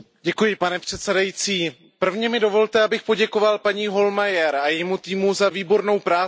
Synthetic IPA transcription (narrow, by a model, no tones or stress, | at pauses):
ɟɛkujɪpanɛpr̝̥ɛt̪sɛdajit͡siː | pr̩vɲɛmɪdo̞vo̞lt̪ɛabɪxpo̞ɟɛko̞valpaɲiːɦo̞lmajɛɾajɛmut̪iːmuzaviːbo̞ɾno̞wpɾaː